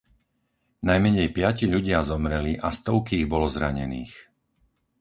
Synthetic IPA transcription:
najmɛɲɛjpɪaciʎuɟɪazɔmɾɛliʔast̪ɔʊkiːɣbɔlɔzɾaɲɛ̰niːx

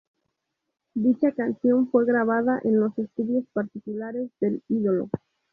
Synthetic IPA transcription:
d̪it͡ʃakansjo̞ɱfwe̞ɣɾaβaðaʔenlo̞se̞st̪uðjo̞spaɾt̪ikulaɾe̞zðe̞liðo̞lo̞̰

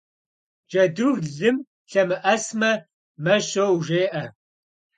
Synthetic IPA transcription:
d͡ʒɐduvɮɨm | ɬɐmɨʔɐsmɐ | mɐʃoːwʒeːʔɐ

